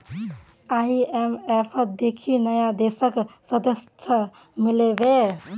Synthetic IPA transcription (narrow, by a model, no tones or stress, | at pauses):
aiemepʰəd̪ekʰinəjad̪esəksəd̪əst͡ʃʰə | milebe